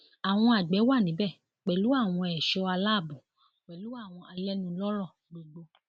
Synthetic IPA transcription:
a˨w̃ɔ̃˧a˨ɡ͡bɛ˨˦wa˦˨nĩ˨˦bɛ˦˨ | k͡pɛ˨lu˨˦a˦˨w̃ɔ̃˧ɛ˨ʃɔ˧a˧la˦˨bũ˨ | k͡pɛ˨lu˨˦a˦˨w̃ɔ̃˧ʔa˧lɛ˦nĩ˧˦lɔ˦ɾɔ˦˨ | ɡ͡bo˨ɡ͡bo˧

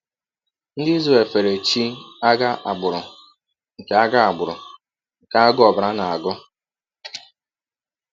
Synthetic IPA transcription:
n̩˦dɪ˦i˦ze˨fe˨ɾe˨t͡ʃi˦a˦ɡa˦ʔa˨ɡ͡bʊ˨ɾʊ˨ | ŋ̩˨ke˨a˦ɡa˦a˨ɡ͡bʊ˨ɾʊ˨ | ŋ̩˨ka˨a˦ɡʊ˦ɔ˨bɾa˦na˨a˨ɡʊ˦

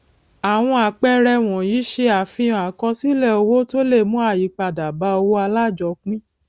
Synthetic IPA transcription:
a˨w̃ɔ̃˧a˨k͡pɛ˦ɾɛ˧w̃ɔ̃˨ji˨˦ʃe˧a˨fĩ˧˨a˨kɔ˧si˦lɛ˦˨o˧wo˦to˦le˦˨mũ˦a˦˨ji˨˦k͡pa˧˨da˨ba˨˦o˧wo˦a˧la˦˨d͡ʒɔ˧˦k͡pĩ˦

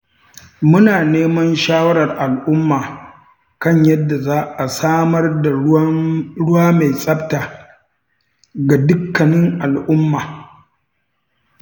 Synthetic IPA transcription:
mʊ˦naː˨neː˦mɐ˦nʃaː˦wɐ˦ɾɐ˨rʔa˨lʔʊ˦mːaː˨ | kɐ˦˨ɲjɐ˦dːa˨zaː˦ʔa˨saː˦mɐ˦rda˨ | ɽʊ˦waː˦ma˨jsʼɐ˦b̚taː˨ | ɡa˨dʊ˦kːɐ˨nɪ˦ŋʔa˨lʔʊ˦mːaː˨

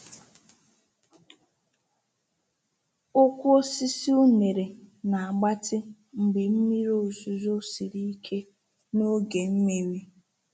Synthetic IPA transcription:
ʊ˦kʷʊ˦o˦si˦si˦u˦ne˨ɾe˨na˨a˨ɡ͡ba˦tɪ˦ | ŋ͡m̩˨ɡ͡bɪ˨m̩˦mi˦ɾo˦˨su˨zo˦si˨ɾi˦i˦kʰe˦ | no˦ɡe˨m̩˦me˦ɾi˦

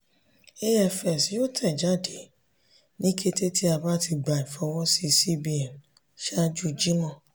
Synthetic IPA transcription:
e˧˦ɛ˨fɛ˨sjo˦˨tʰɛ˦˨d͡ʒa˦˨de˨˦ | nĩ˦kʰe˦te˦ti˦a˧ba˦ti˧ɡ͡ba˨ĩ˨fɔ˧wɔ˦si˧si˦bi˧ɛ˨n | ʃa˦d͡ʒu˦d͡ʒi˦nã˦˨

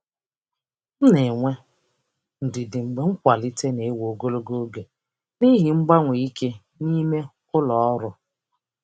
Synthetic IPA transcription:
n̩˦ne˨ŋʷe˦ | n̩˨dɪ˨dɪ˨ŋ͡m̩˨ɡ͡be˦ŋ͡m̩˦kʷa˨li˦te˦ne˨˦wo˨ɡo˦lo˦ɡo˦ɡe˨ | ni˦ɦi˨ŋ͡m̩˦ɡ͡ba˦ŋʷe˨i˦ke˦ | ni˦me˦kʊ˦lɔ˨ɔ˦ɾʊ˦

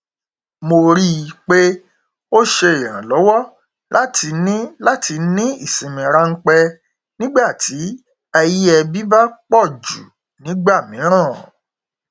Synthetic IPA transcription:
mo˧ɾi˦˧k͡pe˦ | o˦ʃe˧i˨ɾã˨lɔ˨˦wɔ˦˨ | lʔa˦tʰi˧nĩ˦la˦ti˧nĩ˦i˦˨sĩ˨mĩ˨ɾa˧ŋ̩˦k͡pɛ˧ | nĩ˦ɡ͡ba˦˨tʰi˨˦ | ɛ˧ji˦ɛ˧bi˦ba˦k͡pɔ˦˨d͡ʒṵ˨ | nĩ˨˦ɡ͡ba˦˨mĩ˨˦ɾ̃ãː˦˨

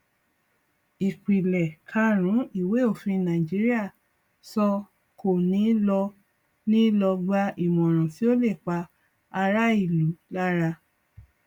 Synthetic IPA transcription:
i˨k͡pi˨lɛ˨kʰa˧˦ɾ̃ũ˨˦i˦˨we˨˦o˦˨fĩ˧nã˨d͡ʒi˨˦ɾi˦a˦˨ | sɔ˧ | ko˨nĩ˨˦lɔ˧ | nĩ˦lɔ˧ɡ͡ba˧˦ʔi˨mɔ̃˨ɾ̃ã˨ti˨˦o˦le˦˨k͡pa˧ | a˧ɾa˦i˦˨lu˨˦la˦ɾa˧

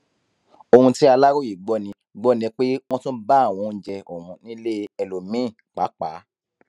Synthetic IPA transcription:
o˧hũ˧ti˦a˧la˦ɾo˦˨ji˨ɡ͡bɔ˨˧˨nĩ˨˧˦ | ɡ͡bɔ˨˦˨nĩ˧k͡pe˦w̃ɔ̃˦tũ˦ba˦˨w̃ɔ̃˨˧˦d͡ʒɛ˧ʔo˨mũ˨˧nĩ˦le˦ɛ˧lo˨mĩ˦˨ | k͡pa˨˦k͡pa˨˦

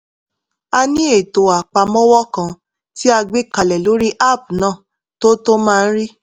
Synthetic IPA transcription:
a˧nĩ˦e˦˨to˨a˨k͡pa˧mɔ̃˦wɔ˦kã˧ | ti˦a˧ɡ͡be˦ka˧lɛ˨lo˨˦ɾi˦ʔa˦˨p̚nãː˦˨ | to˦to˦mãː˦˧˦ɾi˦

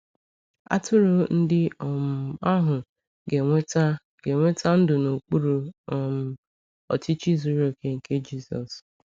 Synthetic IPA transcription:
a̰˦tʊ˦ɾʊ˦n̩˦dɪ˦˨a˦ɦʊ˨ | ɡe˨ŋʷe˦t | ɡe˨ŋʷe˦tʰa˦n̩˦dʊ˨no˨k͡pu˦ɾu˨m˨ | ɔ̰˨ti˦t͡ʃi˦zu˦ɾo˨ke˨ŋ̩˨ke˦d͡ʒi˦sɔ̰˨s

